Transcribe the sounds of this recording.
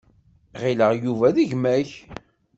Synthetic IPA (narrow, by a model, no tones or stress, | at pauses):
ʁiləʁjuvæðiʝmæç